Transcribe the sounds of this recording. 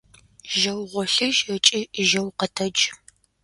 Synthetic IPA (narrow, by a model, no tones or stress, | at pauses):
ʒɐwʁʷɔɬɨʒɐt͡ʃʼiʒɐwqətʰɐd͡ʒ